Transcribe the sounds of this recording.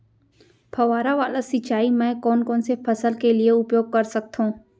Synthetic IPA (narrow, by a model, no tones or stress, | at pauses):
pʰɐʋaːɾaʋaːlasɪt͡ʃaːimɛ̃ːkɔːnkɔːnsepʰɐsəlkelieʊpjoːɡ̚kɐɾsɐk̚t̪ɦũː